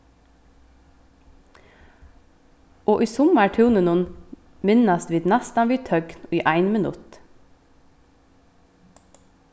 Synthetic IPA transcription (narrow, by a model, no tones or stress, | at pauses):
oːʔiːsʊmæʈʰʉːnənʊn | mɪnɑst̪ʋiːd̪næst̪ɑnʋiːt̪ʰœɡnɔiːʔæɪnmɪnʉ̰t̪